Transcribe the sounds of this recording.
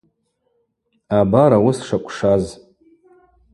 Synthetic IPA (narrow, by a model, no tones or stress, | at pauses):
abaɾawʊsʂakʷʼʂaz